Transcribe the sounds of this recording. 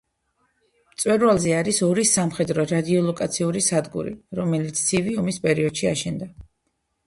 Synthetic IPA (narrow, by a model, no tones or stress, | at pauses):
mt̪sʼwɛɾvalˠzɛaɾisɔɾisamχɛd̪ɾɔɾad̪iɔlˠɔkʼat̪sʰiuɾisad̪ɡṵɾḭɾɔmɛlit̪sʰiviɔmispʼɛɾiɔd̪̥ʃiaʃɛnd̪a